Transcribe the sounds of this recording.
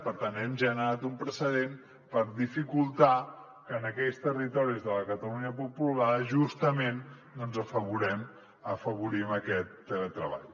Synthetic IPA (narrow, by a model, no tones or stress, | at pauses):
pəɾt̪anɛmʒənəɾat̪umpɾəsəðem | pəɾðifikulˠt̪a | kəːnəkɛjst̪ərit̪ɔɾizðələkət̪əluɲəpupulaðəʒust̪əmen | nɔnzəfəβuɾɛm | əfəβuɾiməkɛt̪ːələt̪ɾəβa̰ʎ